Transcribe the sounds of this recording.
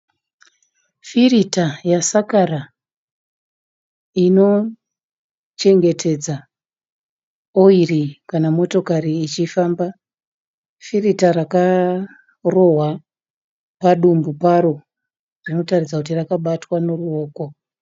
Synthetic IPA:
firitajasakara | ino̞ | t͡ʃe̞ŋɡe̞tʰe̞d͡za | oirikanamo̞to̞kaɾiːt͡ʃifaːmba | firitaɾaka | ro̞ɦwa | paɗumbupaɾo̞ | rino̞tarid͡zakutirakaɓatwano̞ruo̞ːko̞

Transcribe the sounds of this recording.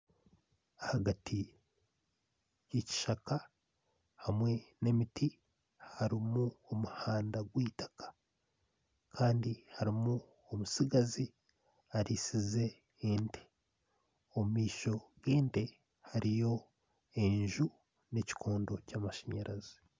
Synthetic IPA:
ahaɡatʰi | jici̥ʃaka | hamwe̞ne̞miti | haɾimuomuhaːndaɡwiːtḁkḁ | kʰaːndihaɾimu | omusiɡazi | aɾisize̞ | ende̥ | ommiːʃo̞ɡeːnde̞ | haɾijo̞ | eɲʒu | ne̞ci̥kʰoːndo̞caːmaʃeɲaɾʔazi̥

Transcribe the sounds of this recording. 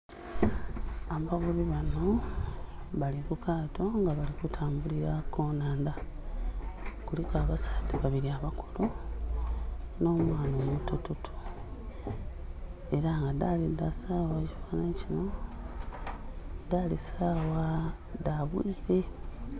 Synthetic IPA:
amavuβiβano̞ | βaliɾukʰaːto̞ŋɡaβalikutʰaːmbuliɾako̞ːnaːnda | kulikaβasḁːdeβaβiɾiaβakulu | no̞mwaːnomutututʰu̥ | e̞ɾaŋɡadalidasawaci̥faːnacino̞ | dalisaːwa | daβwiːɾe

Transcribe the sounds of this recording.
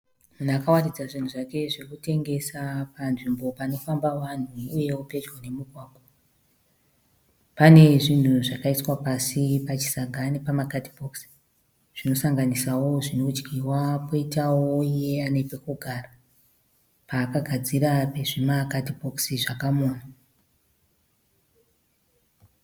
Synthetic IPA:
munakawanid͡zaʐin̤uʐake̞ʐekute̞ŋɡe̞sapanʐimbo̞pano̞fambawan̤uːje̞wope̞d͡ʒwanemuɡʱwaːɡʱo | pane̞ʐin̤uʐakaiswapasipat͡ʃi̥saɡʱanepamakatibʱoksi̥ | ʐ̥ino̞saŋɡanisawo̞ʐino̞d͡ʒɡʱiwapoitawoije̞anepekuɡʱara | paːkaɡʱad͡ziɾape̞ʐemakatibʱo̞ksiʐakamona

